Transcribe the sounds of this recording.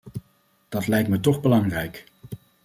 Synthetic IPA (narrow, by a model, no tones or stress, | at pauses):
d̥ɑtlɛjk̚tmətɔχbəlɑŋrɛjk